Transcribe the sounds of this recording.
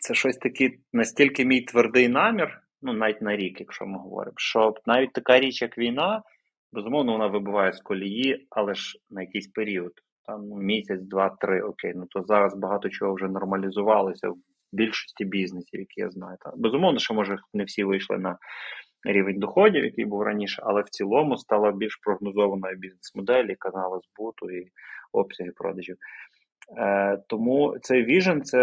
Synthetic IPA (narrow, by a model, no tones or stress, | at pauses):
t̪sɛʃɔsʲt̪ɐkɪ | nɐsʲtʲilʲkɪmʲijt̪ʋerd̪ɪjnɑmʲir | nunɑʋʲit̚ʲnɐɾʲikjɐkʃɔ̰mɪɦɔʋɔ̰ɾɪ̰mʃt͡ʃɔnɑʋʲit̚ʲt̪ɐkɑɾʲit͡ʃjɐkʋʲijnɑ | bezʊmɔwnɔʋɔnɑʋɪbʊʋɑjɛskɔlʲijiɐlˠɛʒnɐjɐkɪjsʲpeɾʲiɔd̪ | t̪ɑmmʲisʲɐt͡sʲd̪ʋɑt̪ɾɪʔɔkejnut̪ɔzɑɾɐzbɐɦɑt̪ɔt͡ʃɔɦɔwʒɛnɔrmɐlʲizʊʋɑlˠɔsʲɐ̰w | bʲilʲʃɔ̥sʲtʲibʲiznesʲijɐkɪja̰znɑjʊt̪ɑbezʊmɔwnɔʃt͡ʃɔmɔʒɛnewsʲiʋɪjʃlˠɪ̰nɐ | ɾʲiʋenʲd̪ɔxɔdʲiwjɐkɪjbuwrɐnʲiʃɛʔɐlˠɛwt͡sʲilˠɔmʊst̪ɑlˠɐbʲilʲʃpɾɔɦnɔzɔʋɐnɔjʊbʲiznesmɔd̪ɛlʲikɐnɑlˠɐzbut̪ʊiɔpsʲɐɦɪpɾɔ̰d̪ɐʒʲiw | t̪ɔmut̪sɛjʋʲiʒent̪sɛ